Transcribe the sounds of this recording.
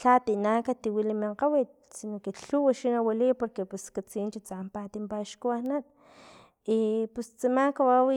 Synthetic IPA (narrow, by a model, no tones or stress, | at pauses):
t͡ɬat̪inakat̪iwilimiɴqawit̪̚sinokeɬuwaʃinawalipoɾkepuskat͡sint͡ʃit͡sampat̪impaʃkuanat̪̚ | ipust͡simaŋkawawi